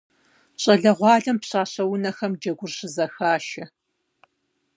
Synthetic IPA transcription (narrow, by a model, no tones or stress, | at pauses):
ɕʼɐɮɐʁʷɑːɮɐmpɕʼaːɕɐwʊnɐxɐmd͡ʒɐɡʷʊrɕɪzɐxaːʃɐ